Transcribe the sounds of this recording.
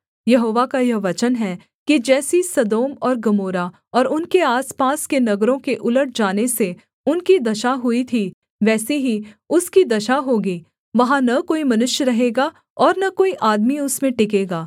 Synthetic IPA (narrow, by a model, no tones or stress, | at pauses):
jɐɦoːʋakajɐɦʋɐt͡ʃənɦɛ | kid͡ʒɛːsisɐd̪oːmɔːɾɡɐmoːɾa | ɔːɾʊnkeaːspaːskenɐɡɾõkeʔʊləʈ̚ʰd͡ʒaːnese | ʊnkid̪ɐʃaɦʊit̪ʰi | ʋɛːseɦiʊskid̪ɐʃaɦoːɡiː | ʋɐɦãnɐkoːimɐnʊʃjəɾɐɦeːɡa | ɔːɾnɐkoːiʔaːd̪miʊsmẽʈɪk̬eːɡaː